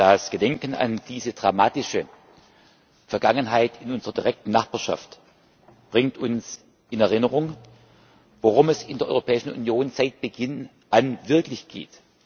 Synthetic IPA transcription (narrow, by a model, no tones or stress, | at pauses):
d̥asɡ̥ədɛŋkəna̰nd̥iːzədʁamaːtɪʃə | fɛɐɡaŋənɦaɪtʰɪnʊnzəʁɐdiʁɛk̚tn̩naχb̥aːɐʃa̰ft | b̥ʁɪŋtʰʊns | ʔɪnɛɐʁɪnəʁʊŋ | voʁʊmɛsɪndeːɐʔɔ̰ʏʁopʰɛːɪʃn̩ṵnjoːnzaɪt̚b̥əɡ̥ɪn | ʔanvɪɐklɪçɡ̥ḛːt